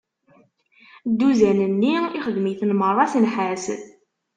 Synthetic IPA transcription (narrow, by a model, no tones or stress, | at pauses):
d̪ːuzænənːiiχəðmiθnmərˤːɑsnħæs